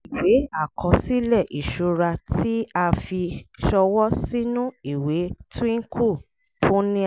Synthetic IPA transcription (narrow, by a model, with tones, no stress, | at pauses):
i˨we˨˦a˦˨kʰɔ̃˧si˦lɛ˦˨ʔi˨ʃo˨˧ɾa˧tʰi˦a˧fi˧ʃɔ˧wɔ˦si˦nũ˦i˦˨we˨˦tĩ˦kʰu˦˨ | pʰũ˦nĩ˦